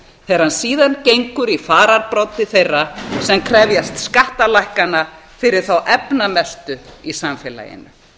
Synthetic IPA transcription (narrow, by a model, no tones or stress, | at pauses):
θeɾ̥ansiːðancejŋkʏɾifaːɾaɾpɾɔwt̪ːɪθejrːasɛmkʰɾɛvjast̪skaht̪alajhkana | fɪɾɪɾ̥θawʔɛpnamɛst̪ʏisamfɛla̰jɪ̰nʏ